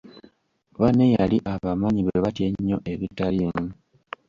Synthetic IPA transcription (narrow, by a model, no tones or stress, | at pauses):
βanejaliʔaβamaɲiβeβatjeɲːo̞ʔe̞βitalimu